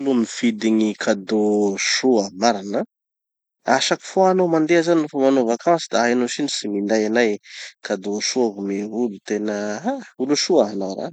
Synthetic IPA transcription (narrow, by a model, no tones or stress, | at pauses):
lumifid̪iɲikʰad̪oʃuamaɾana | aʃaki̥foanomand̪eazaninufomanovakamasid̪aanoʃinisimind̪ajanajkad̪oʃuaɦumeɦulut̪enəauluʃuaɦanawɾa̰n